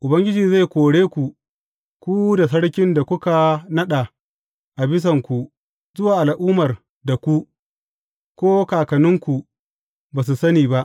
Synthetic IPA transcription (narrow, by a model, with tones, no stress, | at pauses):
ʔʊ˨bɐ˦ŋɡʲɪ˦d͡ʒiː˨za˦˨jkʷoː˨ɽeː˦kʷu˨ | kʷu˦da˨s̬ɐ˦ɽkʲɪ˦nda˨kʷʊ˦ka˨nɐ˦ɗa˨ | ʔa˨bɪ˦s̬ɐ˨ŋkʷu˨ | zʊ˦waː˨ʔa˨lʔuː˦mɐ˨r | da˨kʷu˦ʔ | kʷoː˦kaː˨kɐ˨nɪ˦ŋkʷu˨ | baː˨s̬u˨sɐ˦niː˨ba˦ʔ